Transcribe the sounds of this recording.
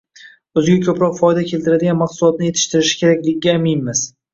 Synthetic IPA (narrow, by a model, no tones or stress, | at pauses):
ɵzɪɡʲakʲʰɵpɾɒqfɒjd̪akʲʰe̞lˠt̪ɪɾad̪ɪɡʲanmaqsʊlˠɒt̪nɪje̞t̪ʰɪ̥ʃt̪ɪɾɪʃɪ̥kʲʰe̞ɾakʲlɪɡʲɪɡʲaːmɪjnmɪz